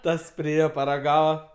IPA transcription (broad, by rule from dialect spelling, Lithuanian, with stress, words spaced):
ˈtɐs pʲrʲɪˈeːjɛ pɐrɐˈɡɑːʋɐ